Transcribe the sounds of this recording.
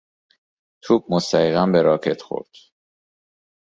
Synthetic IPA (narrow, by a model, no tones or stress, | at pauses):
t̪ʰuːb̥̚most̪æjiɣæmbeɾɒːkʰe̞t̪ʰxo̞̰ɾd̪̥